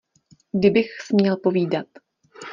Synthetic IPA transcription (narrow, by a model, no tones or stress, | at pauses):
ɡdɪbɪxsmɲɛlpo̞viːdat̪̚